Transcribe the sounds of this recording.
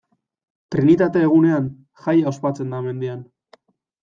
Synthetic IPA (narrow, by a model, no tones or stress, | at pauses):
t̪ɾinit̪at̪e̞ːɣ̞une̞an | xajaspat͡se̞nd̪ame̞nd̪ian